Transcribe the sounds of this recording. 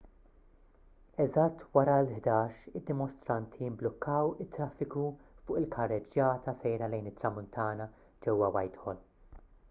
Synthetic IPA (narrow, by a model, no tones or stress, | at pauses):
ɛzɐt̪ːwɐɾɐlħd̪ɐːʃɪd̪ːɪmɔst̪ɾɐnt̪ʰijɪmblɔkːɐwɪt̪ːɾɐfːɪkufʊːʔɪlkʰɐrːɛd͡ʒjɐːt̪ʰɐsɛjɾɐlɛjnɪt̪ːɾɐmʊnt̪ʰɐːnɐ | d͡ʒɛwːɐwɐjt̪ħɔl